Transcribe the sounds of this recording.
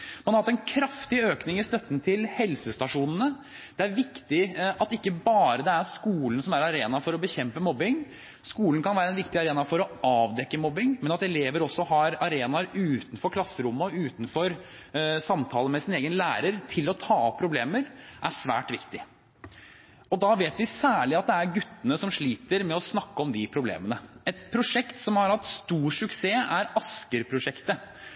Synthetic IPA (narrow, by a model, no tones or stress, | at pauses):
mɑnhɑɾɑt̪ːɛnkʰɾɑft̪ɪøːknɪŋɪst̪œt̪ːnt̪ʰɪlhɛlsəst̪ɑʂuːnn̩ə | d̪̥ɛæɾʋɪkt̪ɪɑt̪ɪkːəbɑːɾəd̪ɛæɾskuːlnsɔmæɾɑɾeːnɑfɔɾɔbəçɛmpəmɔbːɪŋ | skuːlnkʰɑnʋæːɾəɛnʋɪkt̪ɪɑɾeːnɑfɔɾɔʔɑːʋd̪ɛkːəmɔbɪŋmɛnɑt̪ɛleːʋəɾɔsːɔhɑɾɑɾeːnɑɾʉːt̪n̩fɔɾkʰlɑsːəɾʊmːɔʉːt̪nfɔɾ | sɑmt̪ʰɑːlˠəmɛsɪneːɡənlæːɾəɾt̪ʰɪlɔt̪ʰɑːpʰɾʊbleːməɾʔæʂʋæ̰ːʈʋɪkt̪ɪ | ɔd̪ɑʋeːt̪ʋɪsæːɭɪɑt̪̚d̪ɛæɾɡʉt̪ːənəsɔmʂɭiːt̪əɾmɛɔsnɑkːəɔmd̪ɪpʰɾʊblḛːmənəɛt̪pʰɾʊʂɛkt̪sɔmhɑɾhɑt̪st̪uːʂʉkseːæɾɑskəɾpʰɾʊʂɛkt̪ə